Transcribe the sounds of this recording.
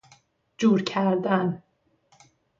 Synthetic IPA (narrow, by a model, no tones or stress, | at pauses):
d͡ʒuːɾcʰæɾd̪æn